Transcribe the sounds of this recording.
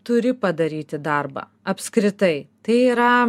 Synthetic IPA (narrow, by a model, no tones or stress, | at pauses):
t̪ʊɾʲɪpɐd̪ɐɾʲiːt̪ʲɪd̪ɐɾbɐ̰ːɐpʲskɾʲɪt̪ɐɪt̪ɐɪiːɾɐ